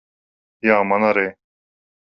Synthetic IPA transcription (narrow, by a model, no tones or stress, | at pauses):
jaːmɐnaɾeː